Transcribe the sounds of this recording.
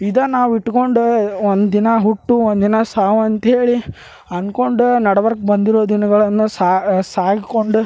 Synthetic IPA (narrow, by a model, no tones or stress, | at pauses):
id̪ɐnaːʋiʈːko̞ɳɖuond̪d̪inɐɦuʈːuond̪d̪inɐsaːʋuɐnt̪ɐɦe̞ːɭi | ɐnko̞ɳɖunɐɽɐʋɐɾk̚bɐnd̪iɾoːd̪inɐɡɐɭɐnːusaːsaːɡikoɳɖu